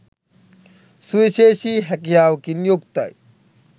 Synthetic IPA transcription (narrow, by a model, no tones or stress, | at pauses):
suisesiɦek̬jawkinjukt̪a̰j